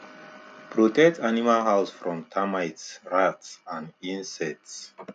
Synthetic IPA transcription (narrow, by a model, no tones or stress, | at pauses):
pʰɹɔtɛk̚tanimalhawsfɹɔ̃mtʰamajtsɹatsãnĩnsɛts